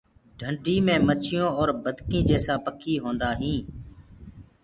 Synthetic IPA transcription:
ɖʱəɳɖʱiːmẽːmət͡ʃʰɪjõːɔːɾbəd̪ʱkĩːd͡ʒeːsaːpəkʰiːɦõːnd̪aːɦĩː

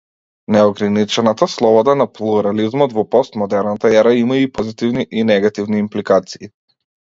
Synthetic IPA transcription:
nɛɔɡɾanit͡ʃɛnat̪aslˠɔbɔd̪anaplˠuɾalizmɔt̪vɔpɔst̪mɔd̪ɛɾnat̪aɛɾaimaipɔzit̪ivniʔinɛɡat̪ivniːmplikat̪siː

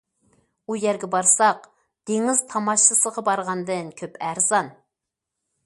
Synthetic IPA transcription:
ujæɾɡʲɛbɑɾsɑq | d̪̥eŋiz̥t̪ʰɑmɑʃɨsəʁɑbɑɾʁɑnd̪ɨnkʲʰøpæɾzɑn

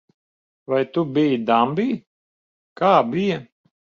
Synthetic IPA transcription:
vajt̪ubijid̪ambiː | kaːbijɐ

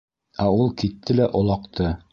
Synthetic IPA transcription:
æulˠkit̪ʰːɘlæʔŏlˠɑqt̪ʰɤ

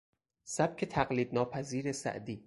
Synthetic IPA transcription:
sæb̚kʰe̞t̪ʰæɢliːd̪̚nɒːpʰæziːɾesæ̰ʔd̪iː

